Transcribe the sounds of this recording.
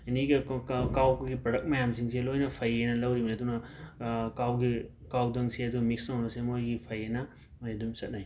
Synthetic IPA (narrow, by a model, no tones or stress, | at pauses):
iniɡɐkawkɡipɾɐdɐk̚mɐjamsiŋselojnɐpʰɐjenɐlɐwɾibɐnidunɐ | kawɡi | kawdɐŋseɐd̪umiksnɐwnɐsemojɡipʰɐjenɐ | mojedumsɐt̚naj